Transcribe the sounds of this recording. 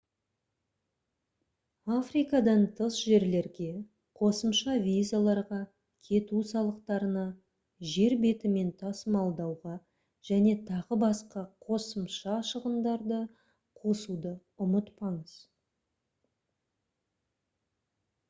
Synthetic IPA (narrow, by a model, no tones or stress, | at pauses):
afrijkɑd̪ɑnt̪ʰəsʒe̞ɾle̞ɾɡʲe̞ | qʰo̞səmʃɑvʲizalˠɑɾʁɑ | kʲʰe̞t̪usɑlˠəqt̪ɑɾənɑ | ʒe̞ɾbe̞t̪ɪme̞nt̪ʰɑsəmɑlˠd̪ɑwʁɑ | ʒ̥æne̞t̪ʰɑʁəbɑsqɑqʰo̞səmʃɑʃəʁənd̪ɑɾd̪ə | qʰo̞sud̪ə | ʊmət̪pɑɴəz̥